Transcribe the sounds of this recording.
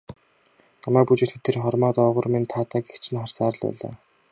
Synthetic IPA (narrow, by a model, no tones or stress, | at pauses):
namæːk̚put͡ɕĕt̪xet̪ʰerχɔrmaːt̪ɔːʁʊ̆rment̪ʰaːt̪aːkext͡ɕʰɪ̆nχɔrsaːɾə̆ɮpæ̰ːɮa̰ː